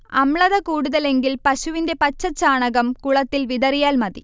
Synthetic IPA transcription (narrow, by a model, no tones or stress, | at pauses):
ɐmɭɐðɐkuːɽʊðɐleŋɡɪlpɐsʊʋɪnd̪epɐt͡ʃːɐt͡ʃːaːɳɐɣɐmkuɭɐt̪ːɪlʋɪðɐɾɪjaːlmɐði